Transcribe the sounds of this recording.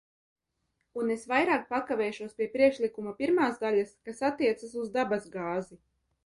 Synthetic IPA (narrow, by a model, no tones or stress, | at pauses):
unesvajɾaːk̚pakavʲɛːʃuɔspʲiɛpɾiɛkʃlˠikumapʲiɾmaːzd̪alʲaskasat̪ːiɛt̪sasuzd̪abazɡaːzi